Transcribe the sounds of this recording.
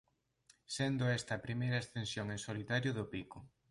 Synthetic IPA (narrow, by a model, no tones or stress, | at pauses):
send̪ʊɛst̪ɐpɾimejɾɐest̪ẽnsjoŋẽŋsolit̪aɾjʊðʊpikʊ